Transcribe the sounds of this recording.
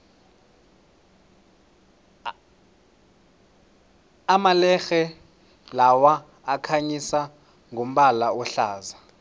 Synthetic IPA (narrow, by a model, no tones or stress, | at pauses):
amalɛxɛ | lawaː | kʰaɲisa | ŋʱom̩ɓalaɔɬaːza